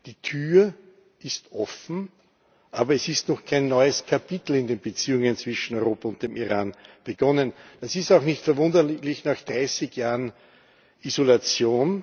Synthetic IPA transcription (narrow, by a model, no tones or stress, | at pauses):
d̥iːtʰyːɐ | ʔɪstʔɔfn̩ | ʔaːbɐɛsɪstnɔχkʰaɪnːɔʏəskʰapitl̩ɪndeːnbət͡siːʊŋənt͡sv̥ɪʃn̩ɔʏʁoːpɐʊnt̚d̥eːmiʁaːnb̥əɡ̥ɔnənd̥asɪstaʊxnɪçtfɛɐvʊndəlɪçnaːxd̥ʁaɪsɪkjaːʁən | ʔizolat͡sjoːn